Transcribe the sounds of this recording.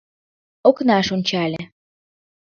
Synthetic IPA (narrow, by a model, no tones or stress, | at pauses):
oknɑʃonʲt͡ɕɑlʲe